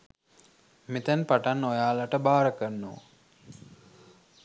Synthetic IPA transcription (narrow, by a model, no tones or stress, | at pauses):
met̪ænpaʈanːojaːlaʈəbaːɾəkənːoː